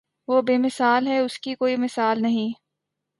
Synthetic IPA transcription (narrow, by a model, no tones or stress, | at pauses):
ʋoːbeːmɪsaːlɦɛʊskikoːimɪsaːlnɐɦĩː